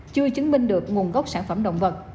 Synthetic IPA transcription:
t͡ɕɨ˧ət͡ɕɨ˨˦ŋmï˧ŋ̟ɗɨ˨˩ək̚ŋu˨˩ənɣwk͡p̚saː˧˩nfə˧˩mɗə̰˧˨wŋ͡mvə˨˩t̚

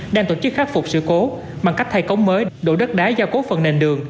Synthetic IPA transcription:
ɗaː˧ŋt̪o̰˧˩t͡ɕɨ˦˥k̚xaː˦˥t̚fʊ˨˩k͡p̚sɨ̰˧˩ko˨˦ | ɓa˨˩ŋka˦˥jk̚t̪ʰa˧jkə˨˦wŋ͡mməː˨˦jɗo̰˧˩ɗə˦˥t̚ɗaː˨˦jzaː˧˩wko˨˦fə˨˩nːe˨˩nɗɨ˨˩əŋ

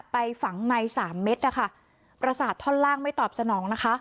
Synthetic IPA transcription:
pa˧jfa˩˦ŋna˧jsaː˩˦mːe˦˥t̪̚ʔa˧˩kʰa˥˩ | pɾa˧saː˨˩t̪ʰːɔː˥˩nlaː˥˩ŋma˥˩jt̪ɔː˨˩p̚sa˧nɔː˩˦ŋna˦˥kʰa˦˥ʔ

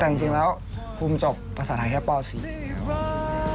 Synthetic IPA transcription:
ɛː˨˩˨t͡ɕi˧ŋlɛː˦˥w | pʰu˧mt͡ɕo˨˩pːɾa˧saː˨˩t̪ʰaː˧˩kʰɛː˦˥˩pɔː˥˩sḭː˨˩˦kʰa˦˥p

